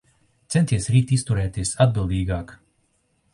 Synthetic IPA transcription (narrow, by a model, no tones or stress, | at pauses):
t̪sɛnt̪iɛsɾiːt̪ist̪uɾɛːt̪iɛsad̪̚bilˠd̪iːɡaːk